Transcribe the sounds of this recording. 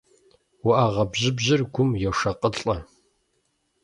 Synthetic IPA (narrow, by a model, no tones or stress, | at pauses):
wʊʔaʁɐbʑɪbʑɪrɡʷʊmjɛwʂɐqʼəɬʼɐ